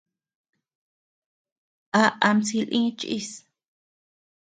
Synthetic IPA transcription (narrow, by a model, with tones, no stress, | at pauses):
ʔa˧ʔa˧msi˧lʔĩ˦t͡ʃʔḭ˦˧s